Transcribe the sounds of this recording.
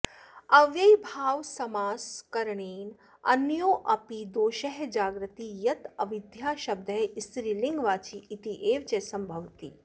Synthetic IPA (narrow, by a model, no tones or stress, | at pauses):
ɐʋjɐjbʱaːʋsɐmaːskɐɾɳeːn | ɐ̰njoːʔɐpid̪oːʃɐɦd͡ʒaːɡɾɨt̪ijɐt̪ɐʋid̪ʱjaːʃɐb̚d̪ʱɐjst̪ɾiːliŋɡʋaːt͡ʃiːt̪iʔeːʋt͡ʃesɐmbʱɐʋt̪iː